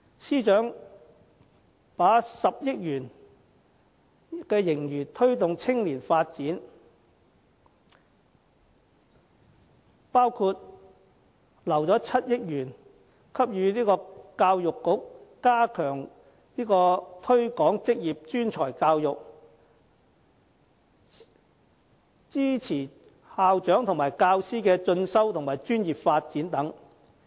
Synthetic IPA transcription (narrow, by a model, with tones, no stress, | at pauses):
siː˥t͡ʃœː˨˥ŋ | paː˨˥sɐ˨p̚jɪ˥k̚jyː˨˩n | kɛː˧jɪ˨˩ŋjyː˨˩t̪ʰɵ˥ɥt̪ʊ˨ŋt͡sʰɪ˥ŋliː˨˩nfaː˧t̚t͡siː˨˥n | paː˥wkʰuː˧t̚ | lɐ˨˩wt͡sɔː˨˥t͡sʰɐ˥t̚jɪ˥k̚jyː˨˩n | kʰɐ˥p̚jyː˨˧niː˥kɔː˧kaː˧wjʊ˨kːʊ˨˥k̚ːaː˥kʰœː˨˩ŋ | niː˥kɔː˧t̪ʰɵ˥ɥkɔː˨˥ŋt͡sɪ˥k̚jiː˨p̚t͡ʃyː˥nt͡ʃʰɔː˨˩jkaː˧wjʊ˨k̚ | t͡siː˥t͡sʰiː˨˩ | haː˨˧wt͡ʃœː˨˥ŋt̪ʰʊ˨˩ŋmaː˨˩jkaː˧wsiː˥kɛː˧t͡ʃɵ˧nsɐ˥wt̪ʰʊ˨ŋmaː˨˩jt͡ʃyː˥njiː˨p̚faː˧t̚t͡siː˨˥nt̪ɐ˨˥ŋ